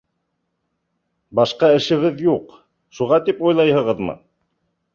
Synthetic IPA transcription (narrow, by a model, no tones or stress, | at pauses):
bɑʃqɑɘ̆ʃɘ̆ɡɘðjuq | ʃuʁɑt̪ipujlˠɑjhɤ̆ʁɤðmɤ̰